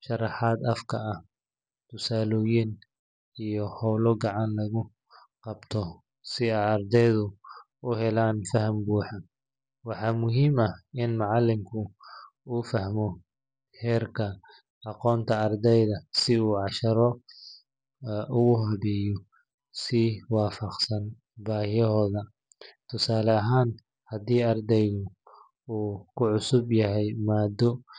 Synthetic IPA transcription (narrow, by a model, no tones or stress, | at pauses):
ʃɑrɑħɑːd̪ɐfkʰɐɐh | t̪ʰʊsaːlɔːjɪn | ijɔhɔwlɔɡɑʕɑnlɐɣʊ | qɑbt̪ʰɔ | sɪɛjɐrd̪ɛjðʊ | ʊɦɛlaːnfɐɦɐmbuːħɑ | wɑħɑːmʊɦiːmɐɪnmɑʕɑlːɪmkʰʊ | uːfɐhmɔ | hɛːrkʰɐ | ɑqɔːnt̪ʰɐːrd̪ɛjðɐsɪuːʕɑʃɐɾɔ | ʊɣʊɦɐβɛːjɔ | siwɑːfɑqsɐn | baːhjɛɦɔːðɐ | t̪ʰʊsaːlɐɐɦaːn | hɐd̪iːɐrd̪ɛjɣʊ | uːkʰʊʕʊsʊbjɐɦɛjmaːd̪ɔ